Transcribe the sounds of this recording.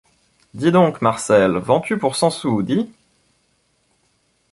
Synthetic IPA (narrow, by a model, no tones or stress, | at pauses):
d̪id̪ɔ̃kmaʁsɛlvɑ̃t̪ʰypuʁsɑ̃sud̪i